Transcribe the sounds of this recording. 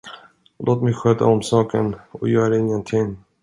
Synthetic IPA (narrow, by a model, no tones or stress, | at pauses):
lʔoːt̪mɛjɧøːt̪a̰ɔmsɑːkʰə̰nɔ̰jœːɾaɪŋːənt̪ʰɪŋ